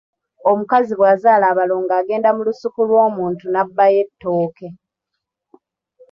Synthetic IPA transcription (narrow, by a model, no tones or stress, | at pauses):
o̞mukaziβwaːzaːlaːβaloːŋɡaːɡe̞ːndamulusukulwo̞ːmuːntunabːaje̞tːo̞ːke̞